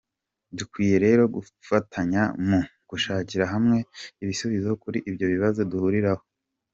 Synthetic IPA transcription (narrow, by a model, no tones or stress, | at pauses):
dukwiːje̞ɾe̞ːɾo̞ɡu | fatʰaɲamuɡ̥uʃaːciɾaɦamŋe̞iβisuβizokuɾiʔibjo̞βiβazo̞duhuːɾiɾaho̞